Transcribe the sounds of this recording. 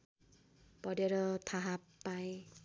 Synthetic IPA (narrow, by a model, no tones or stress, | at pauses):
pʌɾeɾʌt̪ʰaɦapaj̃